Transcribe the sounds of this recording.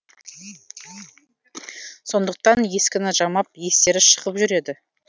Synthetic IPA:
so̞nd̪əq̚t̪ɑnje̞skʲɪnɪʒɑmɑp̚je̞st̪e̞ɾɪʃə̥ʁəpʒʏɾe̞d̪ɪ

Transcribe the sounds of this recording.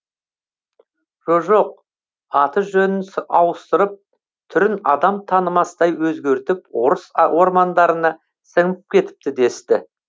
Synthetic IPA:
ʒ̥oʒo̞q̚ | ɑt̪əʒɵnɪnsɑwəst̪əɾəp̚ | t̪ʰʏɾɪnɑd̪ɑmt̪ʰɑnəmɑsəd̪ɑjwɵzɡʲe̞ɾt̪ɪpwo̞ɾəswo̞ɾmɑnd̪ɑɾənɑ | səɴəp̚kʲʰe̞t̪ɪ̥p̚t̪ɪd̪e̞st̪ɪ̰

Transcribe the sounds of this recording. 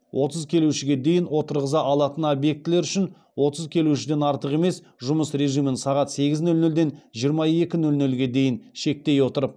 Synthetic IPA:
wʔo̞t̪əzkʲʰe̞luʃɪɡʲe̞d̪e̞jɪnwo̞t̪əɾʁəzɑʔɑlˠɑt̪ənobje̞k̚t̪ɪleɾʏʃɪn | wo̞t̪əzkʲʰe̞luʃɪd̪e̞nɑɾt̪əʁeme̞s | ʒʊməsɾe̞ʒijmɪnsɑʁɑt̪se̞ɡʲɪznɵlnɵld̪e̞nʒijəɾmɑe̞kʲɪnɵlnɵlɡʲe̞d̪e̞jɪnʃe̞k̚t̪e̞jwo̞t̪əɾəp̚

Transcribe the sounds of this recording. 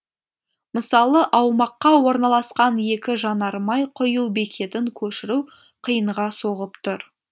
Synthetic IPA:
məsɑlˠəʔɑwmɑqːɑwo̞ɾnɑlˠɑsqɑnje̞kʲɪʒɑnɑɾmɑjqʰʊjuwbekʲʰe̞t̪ɪŋkʲʰɵʃɪɾuw | qʰəjəɴʁɑsoʁəpt̪ʰʊɾ

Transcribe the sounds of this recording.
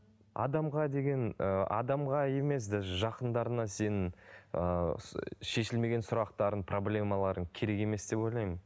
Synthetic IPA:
ɑ̰d̪ɑmʁɑd̪e̞ɡʲe̞nəɑ̰d̪ɑmʁɑje̞me̞s̬d̪æʒɑqənd̪ɑɾənɑse̞nɪŋə | ʃe̞ʃɪlme̞ɡʲe̞nsʊɾɑqt̪ɑɾənpʰro̞blʲe̞mɑlˠɑɾənkʲʰe̞ɾe̞ke̞me̞sd̪̥e̞po̞jlˠɑjmən

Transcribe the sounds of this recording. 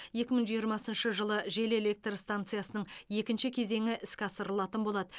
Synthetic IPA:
je̞kʲɪməɴʒijəɾmɑsənʃəʒəlˠəʒe̞le̞le̞k̚t̪rst̪ant̪sɨjasənəɴje̞kʲɪnʃɪkʲʰe̞ze̞ŋɪʔɪskʲɑsəɾəlˠɑt̪ənbo̞lˠɑd̪ə

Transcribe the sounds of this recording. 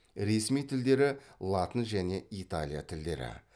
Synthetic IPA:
ɾe̞smijt̪ʰɪld̪e̞ɾɪlˠat̪ənʒæne̞ʔit̪a̰lʲija̰t̪ʰɪld̪e̞̰ɾɪ̰

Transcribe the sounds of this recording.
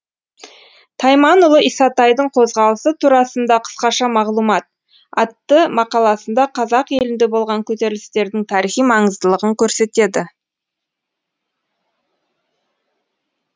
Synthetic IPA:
t̪ʰɑjmɑnʊlˠəisɑt̪ɑjd̪əɴqʰo̞zʁɑlˠəsət̪ʰuɾɑsənd̪ɑqʰə̥sqɑʃɑmɑʁlˠumɑt̪̚ | ɑt̪ːəmɑqɑlˠɑsənd̪ɑqʰɑzɑqe̞lɪnd̪e̞bo̞lˠʁɑŋkʲʰɵt̪e̞ɾɪlɪst̪e̞ɾd̪ɪŋt̪ʰɑɾiχijmɑɴəzd̪əlˠəʁəŋkʲʰɵɾse̞t̪e̞d̪ɪ

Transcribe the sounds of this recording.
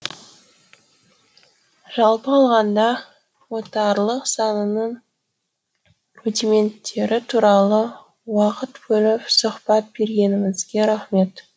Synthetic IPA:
ʒ̥ɑlˠpəɑlˠʁɑnd̪ɑ | wo̞t̪ɑɾlˠəqsɑnənəɴ | ɾut̪ʲime̞nt̪ʰːe̞ɾɪt̪ʰuɾɑlˠə | wɑqət̪bɵlɪpsʊχpɑt̪̚be̞ɾɡʲe̞nɪmɪzɡʲe̞ɾaχme̞t̪

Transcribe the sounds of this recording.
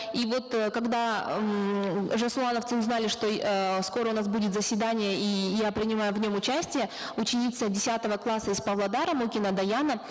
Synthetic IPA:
ivo̞t̪kɐɡd̪a | ʐəslˠanəft̪ɨʊznalʲɪʂt̪o̞sko̞ɾəʊnasbudʲɪt̪zəsʲvʲɪd̪anʲɪjəʔijapɾʲɪnʲɪmajʊvnʲo̞mʊt͡ɕæsʲtʲɪjə | ʊt͡ɕɪnʲit̪sədʲɪsʲat̪əvəklˠasːəɪspɐvlˠɐd̪aɾəmukʲɪnəd̪ɐjanə

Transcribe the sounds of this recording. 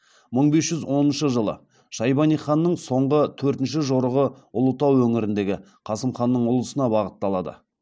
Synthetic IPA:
məɴbe̞sʒ̥ʏzwo̞nənʃəʒəlˠə̰ | ʃɑjbɑnijχɑnːəɴso̞ɴʁət̪ʰɵɾt̪ɪnʃ̬ɪʒoɾəʁə | ʊlˠət̪ɑwɵŋɪɾɪnd̪e̞ɡʲɪ | qʰɑsəmχɑnːəɴʊlˠəsənɑbɑʁət̪ːɑlˠɑd̪ə̰

